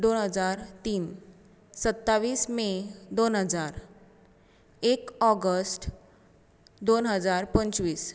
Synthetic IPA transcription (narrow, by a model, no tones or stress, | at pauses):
d̪onɦəd͡zaɾt̪iːn | sət̪ːaʋiːsmed̪onɦəd͡zaɾ | ekɔɡəsʈ | d̪onɦəd͡zaɾpənt͡sʋiːs